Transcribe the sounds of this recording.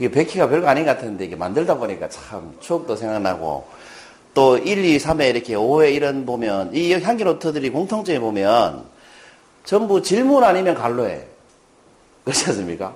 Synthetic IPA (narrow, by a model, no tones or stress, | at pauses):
ɯɡepe̞kʰiɡapjʌɭɡoaɲiɡkatʰɯnnde̞iɡema̰ndɯɭdaboɲik͈at͡ɕʰamt͡ɕʰok̚t͈osʰe̞ŋɡakna̰ɡo̰ | t͈oiʎːisʰame̞iɾʌkʰe̞owe̞iɾʌnbomjʌniçjaŋɡinotʰɯdɯɾikoŋtʰoŋt͡ɕ͈ʌɡebomjʌn | t͡ɕʌmbut͡ɕiɭmunaɲimjʌnkaɭːoe̞̰ | kɯɾʌɕians͈ɯmɲik͈a̰